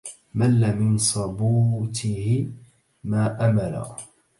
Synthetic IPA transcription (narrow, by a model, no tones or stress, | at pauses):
malːamɪnsˤɑbuːt̪ʰɪhɪ | maːʔamala̰